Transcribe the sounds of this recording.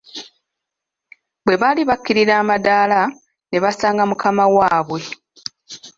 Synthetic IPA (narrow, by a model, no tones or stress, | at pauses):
bwe̞βaliβakːiɾiɾaːmadaːla | ne̞βasaːŋɡamukamawaːβwe̞